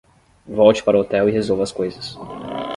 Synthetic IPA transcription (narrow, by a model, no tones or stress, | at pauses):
vɔwt͡ʃɪ̥paɾɐot̪ɛwɪɦezowvɐskojzɐs